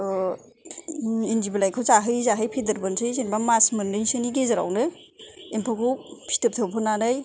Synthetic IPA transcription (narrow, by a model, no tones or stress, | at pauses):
indiblajkʰɯwzaɦɯjzaɦɯjpʰidɯɾbɯnsʰɯjsenbamasmɯnɯsɯniɡezaɾa̰wnɯ | empʰɔkʰuwpʰi̥tɯp̚tʰɯpʰɯnːanaj